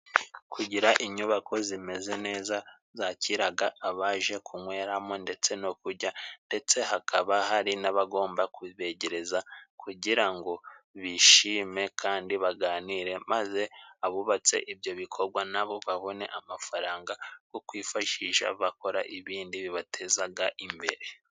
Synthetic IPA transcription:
kʰuɟiɾaʔiɲuβakʰo̞zime̞ze̞ne̞ːza | zaciɾaɡaʔːβaʒe̞kʰumwe̞ːɾamonde̞t͡se̞nokuɾɟande̞t͡se̞hakʰa̰βahaɾinaβaɡo̞ːmbakuβe̞ɟe̞ɾe̞zakʰuɟiɾaŋɡo̞βiʃiːme̞kʰaːndiβaɡaːniɾe̞maze̞aβuβat͡se̞̰ʔibjo̞βikʰo̞ɾɡwanaβo̞βaβo̞ne̞̰ʔamafaɾaːŋɡakokwiːfaʃiʃa̰βako̞ɾa̰ʔiβiːndiβiβatʰe̞zaɡaʔimbe̞̰ɾe̞

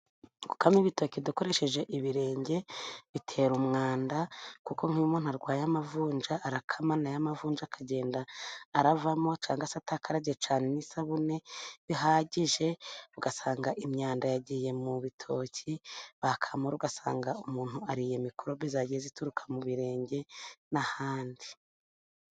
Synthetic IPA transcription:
ɡu̥kamiβito̞ːciduko̞ɾe̞ʃe̞ʒe̞ʔiβiɾe̞ːɲɟe̞βitʰe̞ːɾumŋaːndakuko̞ŋ̥hiumuːn̥aɾɡwaːjamavuːɲd͡ʒaʔːɾakʰamanajamavuːnd͡ʒakʰaɟe̞ːndaːɾavamo̞t͡ʃaːŋɡasatakʰaɾaɟet͡ʃaːnenisaβune̞βiɦaːɟiʒe̞uɡasaːŋɡaʔimɲaːndajaɟije̞muβitʰo̞ːciβakʰamoɾuɡasa̰ːŋɡaumuːn̥huaɾijemikuɾoβizaɟijezituɾukʰḁmuβiɾe̞ːɲɟe̞nahaːndi

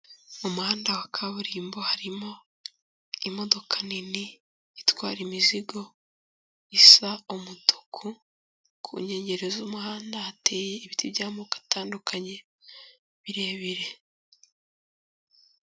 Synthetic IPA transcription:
omuhaːndawakʰaβuɾiːmbo̞haɾimo̞ | imo̞do̞kʰaniniː | twaːɾimiziɡo̞ | isaomutʰu̥kʰu | kʰṵɲe̞ːɲɟe̞ɾezuːmuhaːndaate̞ːjeiβitibjaːmokḁtaːndukʰaɲe̞ | βiɾe̞ːβiɾe̞

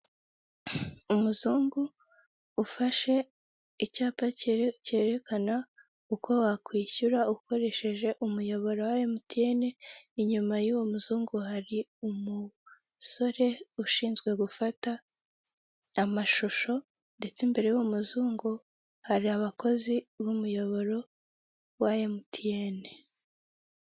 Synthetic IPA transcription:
umuzuːŋɡuː | faʃe̞ | icaːpace̞ːɾe̞kʰana | uko̞wakwiːçuɾauko̞ɾe̞ʃe̞ʒe̞ʔumujo̞βo̞ɾowajemutieneiɲumajuwomuzuːŋɡuhaɾiumu | so̞ɾe̞uʃiːnzɡwe̞ɡufata | maʃoʃo̞ | nde̞t͡sembe̞ɾe̞jumuzuːŋɡo | haɾiaβako̞ziβumujo̞βo̞ɾo̞ | wajemutʰijene̞

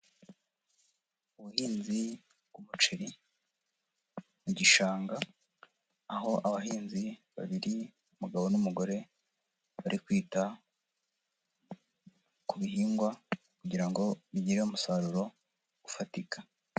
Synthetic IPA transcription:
uβuhiːnzi | bwumut͡ʃeɾi | muɟiʃaːŋɡaː | ɦo̞ʔaβaɦiːnziβa̰βiɾi | umuɡaβo̞numuɡo̞ɾe̞ | βaɾʔikwiːta | kuβiɦiːŋɡwa | kuɟiɾaŋɡo̞βiɟiɾeumusaɾuɾo̞ | ɡufatikḁ

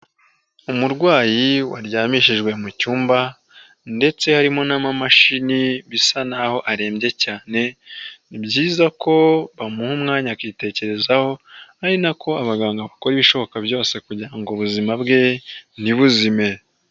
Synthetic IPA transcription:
umuɾɡwaːjiwa̰ɾjaːmiʃiʒɡwe̞mucuːmba | nde̞t͡se̞haɾimo̞namamaʃiniβisanaho̞ʔaɾe̞ːmbɟe̞caːne̞nibɟiːzako̞βamuhumŋaːɲakite̞ce̞ɾe̞zaho̞haɾinakʰo̞aβaɡaːŋɡaβako̞ɾiβiʃo̞βo̞kabjo̞ːse̞kuɟiɾaŋɡoβuzimabɡe̞niβuzime̞

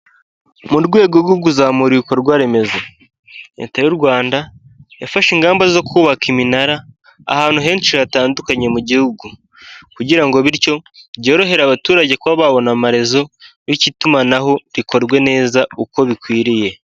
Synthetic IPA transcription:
muɾɡwe̞ːɡoɡuɡuzaːmuɾiko̞ɾɡwaːɾe̞me̞za | jḛːtajuɾɡwaːnda | jafaʃiŋɡaːmbazo̞kʰuːβakiminaɾa | a̰haːn̥uɦe̞ːnt͡ʃiataːndukaɲe̞muɟihuɡu | kuɟiɾaŋɡo̞βiɾco̞ɟo̞ːɾo̞ɦe̞ɾaβatuːɾaɟe̞kwaβaːβo̞namaɾe̞zo̞wicitumanaɦo̞ɾiko̞ɾɡwe̞ne̞ːzauko̞βikwiːɾije̞

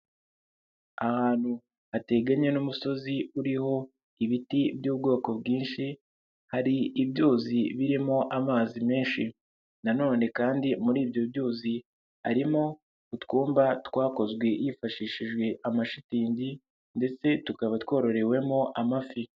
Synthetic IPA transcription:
ahaːn̥hu | ate̞ɡaɲe̞numuso̞ziuɾiho̞ | iβitibjuːbɡo̞ːko̞bɡiːnʃi | haɾiːbjoːziβiɾimo̞ʔamaːzime̞ːnʃi | nano̞ːne̞kaːndimuɾiːbjo̞bjoːzi | ha̰ɾimo̞ | utkuːmbatwaːko̞zɡwe̞jifaʃiʃiʒɡwe̞ʔamaʃitiːɲɟi | nde̞t͡se̞tukaβatwo̞ːɾo̞ɾe̞we̞mo̞ʔamafi

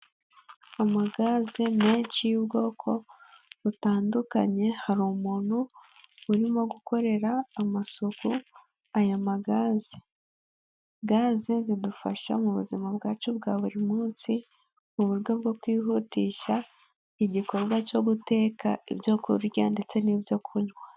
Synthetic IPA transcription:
amaɡazeme̞ːɲt͡ʃijubɡo̞ːkʰo̞βutaːnduka̰ɲe̞haɾumuːn̥huuɾimo̞ɡukʰo̞ɾe̞ɾaːmasoku | ajamaɡaːze | ɡaːzezidufa̰ʃa̰muβuzimab̚ɡaːt͡ʃobɡaːβuɾimuːnsi | muβuɾɡo̞b̚ɡo̞kwiːɦutiːʃa | iɟiko̞ɾɡwat͡ʃo̞ɡute̞kaḭbjo̞kṵɾɾjande̞t͡se̞niːbjo̞kʰuɲwa

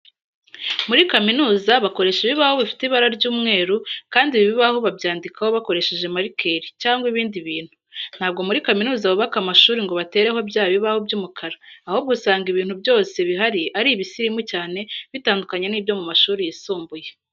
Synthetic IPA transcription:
muɾikaminuːzaβako̞ɾe̞ʃeβiβaho̞βifi̥teiβaɾaɾɟuːmŋe̞ːɾukaːndiβiβiβaho̞βabjaːndikʰahoβako̞ɾe̞ʃe̞ʒe̞maɾikʰe̞ɾicaːŋɡwiβiːndiβiːn̥hun̥haːb̚ɡo̞muɾikaminuːzaβuβakamaʃuːɾiŋɡo̞βate̞ːɾe̞ho̞bjaːβiβaho̞bɟuːmukʰaɾaːho̞b̚ɡusaːŋɡiβiːnhubjo̞ːse̞βiɦaɾiʔaɾiβisiɾimucaːne̞βitaːndukaɲeniːbjo̞mumaʃuːɾijisuːmbuje̞

